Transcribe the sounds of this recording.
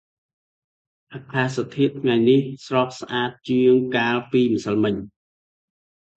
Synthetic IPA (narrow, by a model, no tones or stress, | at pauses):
ʔakʰlahsat̪ʰiət̪ʰːŋajnihsrɑːk̚sʔaːt̪̚t͡ɕɨəŋkaːlpiːməsəlmɨɲ